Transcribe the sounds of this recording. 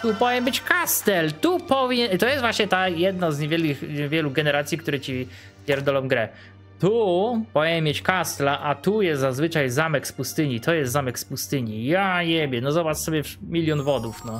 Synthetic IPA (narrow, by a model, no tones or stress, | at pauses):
t̪upɔvʲijɛmbɘt͡ɕkast̪ɛlt̪upɔvʲjɛt̪ɔjɛst̪vwaɕɲɛt̪ajɛd̪̚nazɲɛvʲjɛlkʲixɲɛvʲjɛluɡɛnɛɾat̪sʲjik̚t̪uɾɛt͡ɕi | vʲjɛɾd̪ɔlɔmɡɾɛ | t̪upɔvʲijɲɛmʲːjet͡ɕkast̪laʔat̪ujɛst̪zazvɘt͡ʂajzamɛkspust̪ɘɲit̪ɔjɛst̪zamɛkspust̪ɘɲijaɲɛbʲjɛnɔzɔbat͡ʂsɔbʲjɛmʲilʲjɔnvɔd̪ufnɔ